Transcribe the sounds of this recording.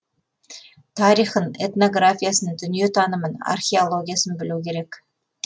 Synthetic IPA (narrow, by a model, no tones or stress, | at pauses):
t̪ʰɑɾijχəne̞t̪no̞ɡrafʲijasənəd̪ʏnije̞t̪ʰɑnəməna̰rχʲeolˠo̞ɡʲijasənbɪlukʲʰe̞ɾe̞k